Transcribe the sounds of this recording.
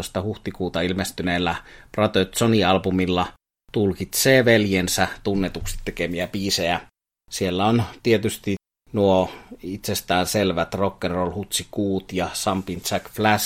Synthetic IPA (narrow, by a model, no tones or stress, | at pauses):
st̪ɑhuht̪ikuːt̪ɑilmest̪yneːlːæprɑt̪øt̪soniɑlbumilːɑ | t̪ulkit̪seːʋeljensæt̪unːet̪uksi̥t̪t̪ekemiæpiːseæ | sielːæont̪iet̪yst̪i | nuoit̪sest̪æːnselʋæt̪rokːerːolhut̪sikuːt̪jɑsɑmpint̪sækflæs